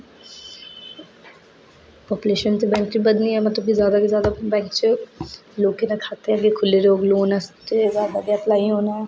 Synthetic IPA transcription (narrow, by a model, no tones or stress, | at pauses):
pɔːpuleːʃənt̪ebɛ̃ːŋkʈɾibəd̪nĩɦɛmɐt̪ləb̚kizjaːd̪akizjaːd̪abɛ̃ːŋkt͡ʃəloːkːenɐkʰaːt̪eɛɡekʰʊleɾoːɡloːnast̪ezjaːd̪aɡiat̪laːiɦoːnaɛ